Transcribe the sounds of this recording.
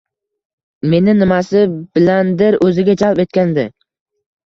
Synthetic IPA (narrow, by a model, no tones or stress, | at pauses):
me̞nɪnɪmasɪbɪland̪ɪɾʔɵzɪɡʲad͡ʒalpe̞t̪̚kʲand̪ɪ